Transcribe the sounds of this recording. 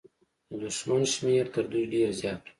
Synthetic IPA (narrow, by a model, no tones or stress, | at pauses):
d̪ʊʃmanʃmeɾt̪əɾd̪ujɖeɾzjɑːt̪